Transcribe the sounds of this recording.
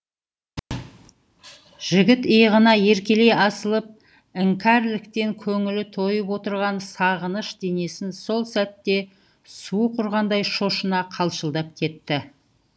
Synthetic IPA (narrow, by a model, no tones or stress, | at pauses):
ʒ̥ɪɡʲɪt̪ijəʁənɑje̞ɾkʲe̞le̞jɑsəlˠəp̚ | ɪŋkʲʰæɾlɪkt̪e̞ŋkʲʰɵŋɪlɪt̪ʰo̞jəpwo̞t̪əɾʁɑnsɑʁənəʃd̪e̞ne̞sɪnso̞lˠsæt̪ːe̞ | suəqʰʊɾʁɑnd̪ɑjʃo̞ʃənɑqʰɑlˠʃəlˠd̪ɑp̚kʲʰe̞t̪ːɪ